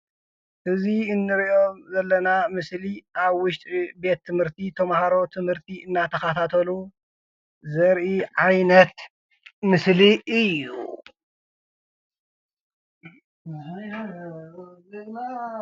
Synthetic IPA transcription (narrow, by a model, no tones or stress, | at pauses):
ʔɨziɨnːɨɾiʔomzɐlːɐnamɨsliʔaβwʊʃt̪ʼibe̞t̪ʰːɨmhɨɾt̪ʰit̪ʰɐmhaɾo̞t̪ʰɨmhɨɾt̪ʰiʔɨnːat̪ʰɐxat̪ʰat̪ʰɐlu | zɐɾʔiʕajnɐt̪ | mɨsliɨjːṵ | na